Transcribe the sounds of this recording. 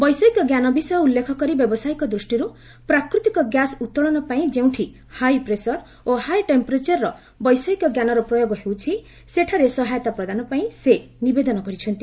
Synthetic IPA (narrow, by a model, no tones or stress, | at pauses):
bɔjsɔikɔɡjanɔbisɔjɔulːekʰɔkɔɾibjɔbɔsajkɔd̪ɾusʈiɾu | pɾakɾit̪ikɔɡjasut̪ːɔɭɔnɔpaĩd͡ʒew̃ʈʰi | hajpɾesɔɾ | ohajʈempɔɾet͡ʃɔɾːɔ | bɔjsɔikɔɡjanɔɾɔpɾɔjoɡɔɦewt͡ʃʰi | seʈʰaɾesɔɦajɔt̪apɾɔd̪anɔpaĩsenibed̪ɔnɔkɔɾit͡ʃʰɔnt̪i